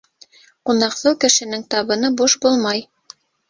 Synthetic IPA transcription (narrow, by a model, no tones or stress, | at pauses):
qunɑqθɤwkɘ̆ʃɘ̆nɘŋt̪ɑβɤ̆nɤbuʃbulˠmɑj